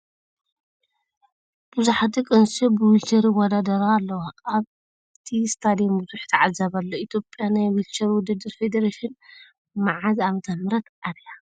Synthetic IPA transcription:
b̥ɨzuħat̪ikʼɨnsibɨwilt͡ʃɐɾiwɔd̪ad̪ɐɾaːlːɐwaaβ | t̪ʰist̪ʰad̪ijombɨzuħt̪ʰɐʕazɐβɐlːoit̪ʰjopʼːjanajwilt͡ʃɐɾwʊd̪ɐd̪ɨɾfed̪ɐɾaʃin | maʕaziamt̪ʰɐnmɨɾɐt̪ʔad̪ja

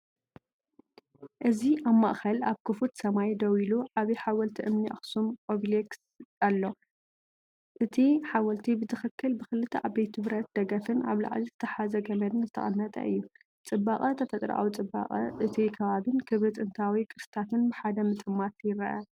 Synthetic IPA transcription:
ʔɨziʔamːaʔxɐlaβkʰɨfut̪sɐmajd̪ɐwiluʕaβiħawɐlt̪ʰiʔɨmniʔa̰xsumkʼoβleks | alːo̞ | ʔɨt̪ʰiħawɐlt̪ʰibɨzɨxɨkːɨlbɨxɨlɨt̪ʰɐʔabejt̪ʰɨβɾɐt̪̚d̪̥ɐɡɐfɨna̰βla̰ʕlizɨt̪ʰɐħazɐɡɐmɐd̪ɨnzɨt̪ʰɐ̰χʼɨnːɐt̪ʼɐ̰ʔɨjːu | t͡sʼɨbːaχʼɐt̪ʰɐfɐt̪ʼɾʔa̰wt͡sʼɨbːa̰χʼɐʔɨt̪ʰikʰɐβaβɨnkʰɨβɾɨt̪ʼɨnt̪ʰawikʼɨɾsɨ̥t̪ʰat̪ʰɨnbɨħad̪ɐmɨt͡s̪ʼɨmːat̪jɪɾɐʔɐ

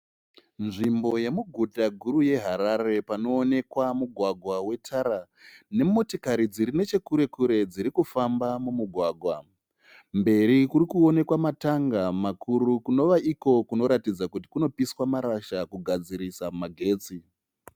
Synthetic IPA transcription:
nʐimbo̞je̞muɡʱudaɡʱuɾuje̞ɦaɾaɾe̞pano̞ːne̞kwamuɡʱwaɡʱwawe̞tʰaɾa | ne̞mo̞tikaɾid͡ziɾine̞t͡ʃe̞kuɾe̞kuɾe̞d͡ziɾikufambamumuɡʱwaːɡʱwa | mbe̞ɾikuɾikuo̞ne̞kwamataŋɡamakʰuɾukuno̞ʋaʔiko̞kuno̞ɾatid͡zakuti̥kuno̞piswamaɾaʃakuɡʱad͡ziɾisamaɡʱe̞ːt͡si

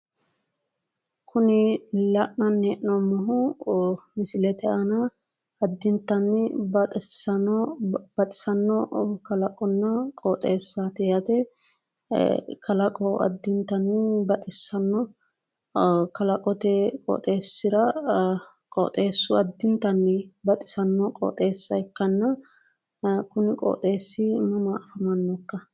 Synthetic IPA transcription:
kʊnɪlɐʔnɐnːɛʔnɔmɔɦʊ | mɪsɪlɛt̪ɛɐnɐ | ɐd̪ːɪnt̪ːɐnːɪbɐt̪ʼɛsːɐnɔb̥ɐt̪ʼɪ̥sɐnːɔkɐlɐkʼɔnːɐkʼɔt̪ʼeːsːaːt̪ɛjɐt̪ɛ | kɐlɐkʼɔɐ̰d̪ːɪnt̪ːɐnːɪbɐt̪ʼɪsːɐnːɔ | kɐlɐkʼɔt̪ɛkʼɔ̰t̪ʼe̞ːsːɪɾɐ | kʼɔ̰t̪ʼeːsːʊɐd̪ːɪnt̪ɐnːɪbɐt̪ʼɪ̥sɐnːɔkʼɔ̰ːt̪ʼeːsːɐjkːɐnːɐ | kʊnɪkʼɔ̰ːt̪ʼe̞ːsːɪmɐmɐɐfɐmɐnːɔkːɐ

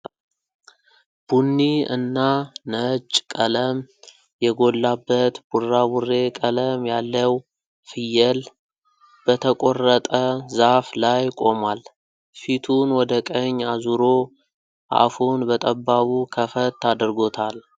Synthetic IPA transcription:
b̥unːiɨ̰nːanət͡ʃʼkʼələm | jɛɡo̞lːabːət̪burːawurːe̞kʼələmjalːəw | fɨjɛl | b̥ət̪ʰəkʼo̞rət̪ʼəzaflajkʼo̞mal | fit̪ʰunwɔd̪əkʼəɲːazuɾo̞ | ʔa̰funbət̪ʼəbːaβukʰəfət̪ʰːad̪ɾɡo̞t̪ʰal

